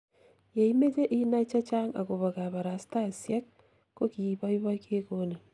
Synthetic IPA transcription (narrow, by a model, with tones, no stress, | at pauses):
je˨i˦me˦t͡ʃe˦ʔi˦na˦t͡ʃa˦t͡ʃa˦ŋa̰˨ko˨βa˨ka˨βa˨ɾa˨sta˦˨sja˦k̚ː | o˦ki˨i˨βa˦i˦βa˦ke˦ko˦ne˨